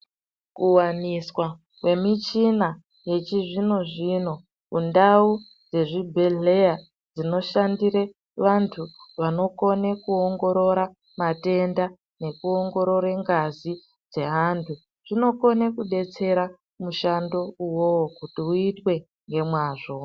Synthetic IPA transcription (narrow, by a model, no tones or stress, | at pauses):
kuwaniswa | kwe̞mit͡ʃina | je̞t͡ʃiʐino̞ʐino̞ | kundau | d͡ze̞ʐibʱe̞ɮe̞ja | d͡zino̞ʃandiɾe | ʋantʰuʋano̞ko̞nekuoŋɡo̞ɾo̞ɾa | mate̞nda | ne̞kuo̞ŋɡo̞ɾo̞ɾeŋɡazi | d͡ze̞ɦantʰu | ʐ̥ino̞ko̞nekuɗe̞t͡se̞ɾa | muʃando̞uwokutiuitwe̞ | ŋɡe̞mwaːʐo̞